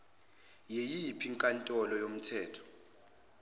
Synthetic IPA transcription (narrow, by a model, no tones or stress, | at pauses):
jejipʰiŋkʼantʼɔlɔjom̩tʰɛːtʰɔ̥